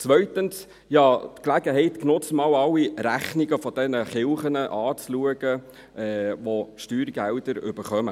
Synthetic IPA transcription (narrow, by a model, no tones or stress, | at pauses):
t͡sʋœɥt̪əns | jɑːt̪klæɡəɦɛɪt̪knʊt͡smɑːwɑwːiɾæχniɡəfɔd̥̪ɛnəχɪlχənəʔɑːt͡sluəɡə | ɛʋɔʃtyːɾɡæld̥əɾʏ̰b̥əɾχœmə